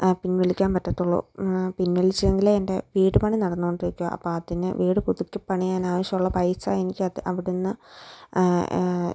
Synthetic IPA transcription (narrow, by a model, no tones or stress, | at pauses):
pinʋeɭikʲːaːnpɐtːɐt̪ːuɭːo̰pinʋeɭit͡ɕːɐðeŋɡilende̞ʋiːɽɨpɐɳinɐɽɐnːuɣoɳɖiɾikʲːuja̰ʔɐ̰pːoːɐðinɨ̰ʋiːɽɨpuðukʲːɨpɐɳijaːnaːʋɐɕjɐmuɭːɐpɐjsaːe̞nikʲːɨɐðɨʔɐʋiɽunːɨ